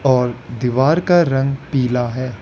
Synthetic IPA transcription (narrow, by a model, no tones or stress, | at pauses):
ɔːɾd̪ɪʋaːɾkaɾɐ̃ŋɡpiːlaɦɛː